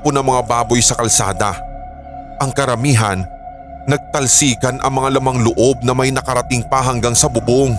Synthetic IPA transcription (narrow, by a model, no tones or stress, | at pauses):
ponɐŋmɐŋabaːbo̞jsɐkɐlsa̰ːd̪ɐ | ʔɐŋkɐɾɐmiːɦɐnː | ɐɡ̚t̪ɐlsiːkɐnʔɐ̰ŋmɐŋalɐmaŋloʔo̞b̚nɐmɐjnɐkɐɾɐt̪ɪŋpɐɦɐŋɡaŋsɐbʊboŋ